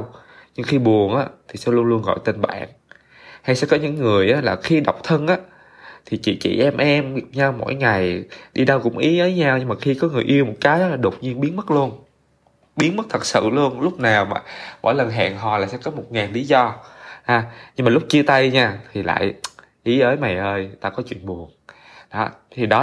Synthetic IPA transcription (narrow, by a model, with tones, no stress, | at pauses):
wɲɨ˧ŋxi˧ɓu˨˩ənʔa̰ː˨˦t̪ʰi˨˩sɛ̰˧˥lu˧ənlu˧ənɣɔ̰˧˨jt̪e˧nɓa̰ː˧˨n | ha˧jsɛ̰˧˥kɔ˨˦ɲɨ̰˧˥ŋːɨ˨˩əjʔaː˨˦laː˨˩xi˧ɗa˨˩wk͡p̚t̪ʰə˧nʔaː˨˦ | t̪ʰi˨˩t͡ɕḭ˧˨t͡ɕḭ˧˨ʔɛ˧mʔɛ˧m̚˨˩ɲa˧wmo̰˧˥jŋa˨˩jɗi˧ɗə˧wkʊ̰˧˥ŋ͡mʔḭ˨˦ʔəː˨˦jɲaː˧wɲɨ˧ŋmaː˨˩xi˧kɔ˨˦ŋɨ˨˩əjʔi˧əwmo˨˩t̚kaː˨˦jɗɔ˨˦laː˨˩ɗo˨˩wk͡p̚ɲi˧ənɓi˨˦ənmə˦˥t̚lu˧ən | ɓi˨˦ənmə˦˥t̚t̪ʰə˨˩t̚sɨ̰˧˨lu˧ənlʊ˦˥k͡p̚naː˨˩wmaː˨˩mo̰˧˥jlə˨˩nɦa̰ː˧˨ŋɦɔ̰˨˩laː˨˩sɛ̰˧˥kɔ˨˦mo˨˩t̚ŋaː˨˩nli˨˦zɔ˧ʔaː˨˩ɲɨ˧ŋmaː˨˩lʊ˦˥k͡p̚t͡ɕi˧ət̪a˧jɲaː˧t̪ʰi˨˩la̰ː˧˨j | ʔi˨˦ʔəː˨˦jma˨˩jʔəː˧jt̪aː˧kɔ˨˦t͡ɕwḭ˧˨ənɓu˨˩əŋ | ɗɔ˨˦t̪ʰi˨˩ɗɔ˨˦